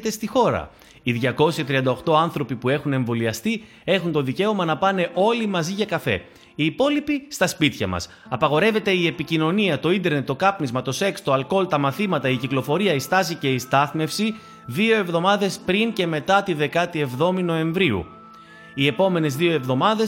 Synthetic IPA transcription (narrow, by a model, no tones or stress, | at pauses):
t̪e̞st̪ixo̞ɾɐ̰ | iðʝɐko̞siɐt̪ɾiɐnd̪ɐo̞xt̪o̞ɐnθɾo̞pipue̞xune̞ɱvo̞liɐst̪i | e̞xunt̪o̞ðice̞o̞mɐnɐpɐne̞ʔo̞limɐziʝɐkɐfe̞̰ | iːpo̞lipist̪ɐspit̪çɐ̰mɐ̰s | ɐpɐɣo̞ɾe̞ve̞t̪e̞ie̞picino̞niɐt̪o̞ind̪e̞ɾne̞t̪ːo̞kɐpnizmɐt̪o̞se̞kst̪o̞ɐlko̞lt̪ɐmɐθimɐt̪ɐiciklo̞fo̞ɾiɐist̪ɐsice̞ist̪ɐθme̞fsi | ðio̞e̞vðo̞mɐðe̞spɾince̞me̞t̪ɐt̪iðe̞kɐt̪ie̞vðo̞mino̞e̞ɱvɾiṵ | ie̞po̞me̞ne̞zðio̞e̞vðo̞mɐðe̞s